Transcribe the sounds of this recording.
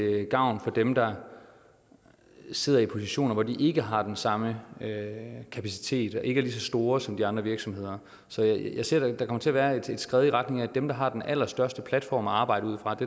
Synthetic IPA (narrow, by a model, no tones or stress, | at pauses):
ɡ̥ɑ̈ʊ̰nfɒ̽d̥emd̥ɑ̈ | se̝ð̞̰ˠɐipʰo̝siɕo̝̰ːnɐʋɒd̥iʔe̝ɡ̥əɦɑ̈d̥ensɑ̈məøkʰæpʰæsi̥t͡sʰe̝̰ːd̥ɒʔe̝ɡ̥əæɐlisɒ̽sd̥o̝ːɐsɒ̽md̥iɑ̈nd̥ʁɐʋiɐɡ̥sɒ̽mhe̝ð̞̰ˠɐ | sɒ̽jjäɪse̝ɐ̰d̥ɑd̥ɑ̈kʰɒ̽mɐt͡sʰe̝æɐʋæːɐe̝d̥e̝d̥sɡ̥ʁɛːðˠiʁad̥ne̝ŋæd̥emd̥ɑ̈ɦɑ̈d̥enʔæl̰ɐsd̥ɶɐsd̥əpʰlæd̥fɒ̰ːmæɑ̈ːb̥ɑ̈ɪ̰ɾ̥əuð̰ˠfʁɑ̈d̥e̝